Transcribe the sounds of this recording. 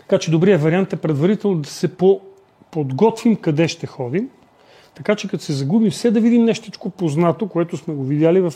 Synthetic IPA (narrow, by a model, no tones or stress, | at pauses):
tt̪ɐ̥kat͡ʃɛd̪obɾiəvɐɾiant̪ɛpɾɛd̪vɐɾit̪ɛlˠnod̪ɐsɛpo | pod̪ɡɔt̪vimkɐd̪ɛʃt̪ɛxɔd̪im | t̪ɐkat͡ʃɛkɐt̪o̥sɛzɐɡubifsɛd̪ɐvid̪imnɛʃt̪ɛt͡ʃkopoznat̪okoɛt̪ʊsmɛɡovid̪ʲjalivɐf